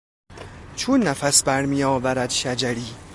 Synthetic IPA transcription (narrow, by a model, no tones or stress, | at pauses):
t͡ʃʰunːæfæsbæɾmijɒːvæɾæd̪ʃæd͡ʒæɾiː